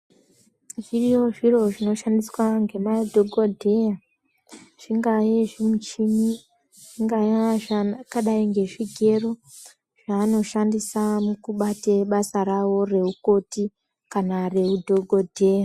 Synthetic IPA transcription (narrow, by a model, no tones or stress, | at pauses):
ʐirijoʐiro̞ʐino̞ʃandiswaŋɡe̞madʱoɡʱodʱe̞ja | ʐ̥iŋɡajeʐimut͡ʃini | ʐ̥iŋɡajaakaɗaiŋɡe̞ʐiɡʱe̞ro̞ | ʐ̥aːno̞ʃandisamukuɓateɓasarawo̞re̞uko̞ti | kanare̞udʱoɡʱodʱe̞ja